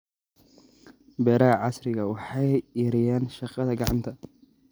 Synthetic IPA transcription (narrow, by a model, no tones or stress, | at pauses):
bɛːɾɐɦɐʕɑsrɪɣɐwɑħɑjɛɾɪjaːnʃɑqɑðɐɡɑʕɑnt̪ʰɐ